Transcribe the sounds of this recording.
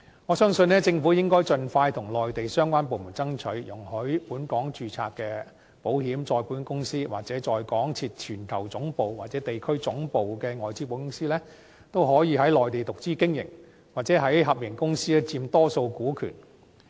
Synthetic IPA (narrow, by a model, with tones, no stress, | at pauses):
ŋɔː˨˧sœː˥ŋsɵ˧nɛː˥t͡sɪ˧ŋfuː˨˥jɪ˥ŋkɔː˥jt͡sɵ˧nfaː˧jt̪ʰʊ˨˩ŋlɔː˨jt̪e˨jsœː˥ŋkʷaː˥np̬o˨wmu˨˩nt͡sɐ˥ŋt͡ʃʰɵ˨˥ɥjʊ˨˩ŋhɵ˨˥ɥpuː˨˥nkɔː˨˥ŋt͡ʃyː˨˧t͡sʰa̰ː˧k̚kːɛː˧ | po˨˥whiː˨˥mt͡sɔː˧jpuː˨˥nkʊ˥ŋsiː˥wa̰ː˨˩k̚t͡sɛː˨˥t͡ʃɔː˧jkɔː˨˥ŋt͡sʰiː˧t̚t͡ʃʰyː˨˩nk̪ʰɐ˨˩wt͡sʊ˨˥ŋpo˨wwaː˨t̚t͡sɛː˨˥t̪e˨jkʰɵ˥ɥt͡sʊ˨˥ŋpo˨wkɛː˧ŋɔː˨jt͡siː˥po˨˧˥wkʊ˥ŋsiː˥lɛː˥ | t̪o˥wɦɔː˨˥jiː˨˧hɐ˨˥jlɔː˨jt̪e˨jt̪ʊ˨k̚t͡siː˥kɪ˥ŋjɪ̰˨˩ŋ | waː˨t̚t͡sɛː˨˥ɦɐ˨˥jɦɐ˨p̚jɪ˨˩ŋkʊ˥ŋsiː˥ɛ˧t͡siː˧mt̪ɔː˥so˧wkuː˨˥kʰy̰˨˩n